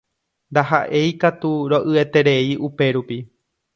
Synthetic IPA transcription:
nd̪aɦa̰ʔe̞jkat̪uɾoʔɨet̪e̞ɾe̞iʔupe̞ɾupi

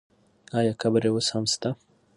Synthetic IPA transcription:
ɑjɑkabɾewoshamst̪a

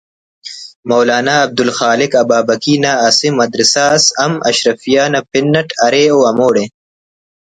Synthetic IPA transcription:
mɐwlaːnaːb̚d̪ʊlxaːlɪkɐbaːbɐkinaːsimɐd̪ɾɪsasɐmɐ̰ʃɾɐfijaːnɐpɪnːɐʈʰɐɾeːoːɐmoːɽeː

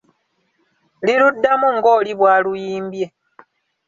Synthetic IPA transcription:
liludːamuŋɡo̞ːliβwaːlujiːmbje̞

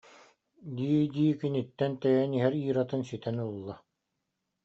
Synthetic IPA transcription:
d̪iːd̪iːkinit̪ːɛnt̪œjɛniɦɛɾiːɾat̪ɯnsit̪ɛnulˠːa

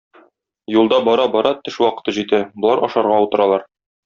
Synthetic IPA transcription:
julˠd̪ɑbɒɾɑbɒɾɑt̪ɘʃwɒqɤ̥̆t̪ɤʑit̪æbŏlˠɑɾʔɒʃɑɾʁɑut̪ɤ̆ɾɑlˠɑɾ

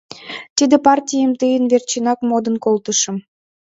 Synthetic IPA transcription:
t̪id̪ĕpɑrtʲijəmt̪ɯjənvert͡ɕinɑkmod̪ə̆nkolt̪əʃə̆m

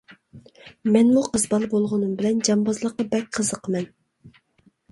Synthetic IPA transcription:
mɛnmuqəzbɑlˠbolˠʁʊnumbɪlɛnd͡ʒɑmbɑzlˠəqːɑbɛk̚ʲqʰəzəqmɛn

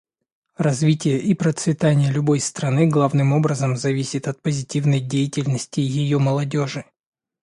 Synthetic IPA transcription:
rɐzvʲitʲɪjəʔipɾət̪svʲɪt̪anʲɪjəlʲʊbo̞jst̪ɾɐnɨɡlˠavnɨmo̞bɾəzəmzɐvʲisʲɪt̪ɐt̪̚pəzʲɪtʲivnəjdʲejɪtʲɪlʲnəsʲtʲɪjɪjo̞məlˠɐdʲo̞ʐɨ

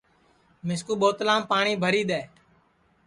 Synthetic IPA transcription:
mɪskuːɓoːt̪lãːmpaːɳiːbʱəɾiːɗ̪eː

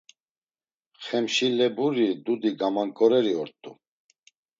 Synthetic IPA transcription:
χɛmʃilɛbuɾid̪ud̪iɡamaŋkʼɔɾɛɾiɔɾt̪ʼu

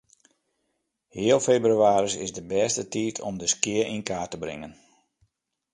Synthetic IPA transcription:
hɪəlˠfebryaːɾisɪsdəbɛːstətiːtʰɔ̰mdəskɪərinkaːtəbrɪ̰ŋən

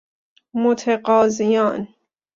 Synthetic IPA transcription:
mot̪ʰeɢɒːzijɒːn

